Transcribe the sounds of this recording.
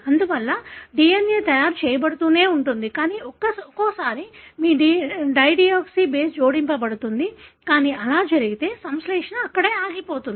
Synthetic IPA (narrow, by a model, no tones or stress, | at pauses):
ɐnd̪uʋɐlːɐɖiːenjeːt̪ɐjaːɾt͡ʃɛːjɐbɐɽut̪uːne̞ːuɳʈund̪ikaːniːɔkːɐsɔkoːsaːɾimiːɖiɖɐjɖijoːksiːbeːsd͡ʒoːɽimpɐbɐɽut̪und̪ikaːniːʔɐlaːd͡ʒɐɾiɡit̪e̞ːsɐmsleːkʂɐnɐɐkːɐɽeːaːɡipo̞ːt̪und̪i